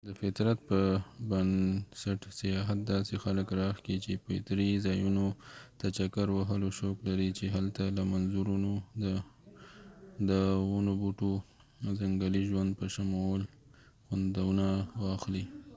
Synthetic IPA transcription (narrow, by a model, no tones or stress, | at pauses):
d̪əfɪt̪ɾat̪̚pəbansaʈsajɑɦat̪̚d̪ɑsexaləkɾɑxkit͡ʃepət̪ɾizɑjunot̪at͡ʃakaɾwaɦəloʃoklaɾit͡ʃeɦalt̪alamanzuɾuno | d̪əwunobuʈo | zaŋɡaliʒwand̪̚pəʃamowl | xand̪awunawɑxli